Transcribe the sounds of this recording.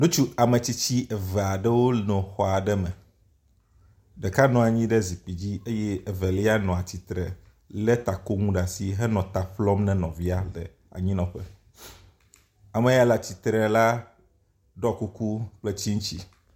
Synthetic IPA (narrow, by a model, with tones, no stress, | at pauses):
nũ˦t͡ʃu˦a˨mẽ˨t͡ɕi˦t͡ɕi˦ʔɛ˨vɛ˨a˨ɖɛ˦wo˦nɔ̃˨xɔ˨a˨ɖɛ˦mɛ̃˨ | ɖɛ˨ka˦nɔ̃˨a˨ɲĩ˦ɖɛ˦zi˨k͡pi˨d͡ʑi˦e˦jɛ˦ɛ˨vɛ˨li˦a˦nɔ̃˨a˨t͡ɕi˨t̪ɾɛ̰˨ | lɛ˦t̪a˨ko˦ŋũ˦ɖa˨si˦ɦɛ˦nɔ̃˨t̪a˨ɸlɔ˦mnɛ̃˦nɔ̰̃˨vi˦a˦lɛ̰˨ | a̰˨ɲĩ˦nɔ̃˨ɸɛ˦ | a˨mɛ̃˨ja˦la˨t͡ɕi˨t̪ɾɛ˨la˦ | ɖɔ˦ku˦ku˦k͡plɛ˦t͡ɕi˦ŋũ˦t͡ɕi˦